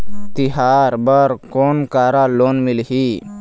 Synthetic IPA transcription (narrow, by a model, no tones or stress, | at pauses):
t̪ɪɦaːɾbəɾkoːnkaːɾaloːnmɪlɦiː